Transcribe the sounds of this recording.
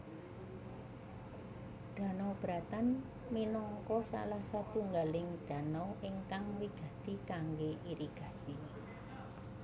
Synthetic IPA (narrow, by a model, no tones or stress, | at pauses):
ɖ̥ä̤nɔb̥ɾat̪an | minɔŋkɔsa̰lahsat̪uŋɡalɪŋɖ̥a̤nɔiŋkaŋwiɡ̥ä̤t̪ikaŋɡeʔiɾiɡ̥a̤si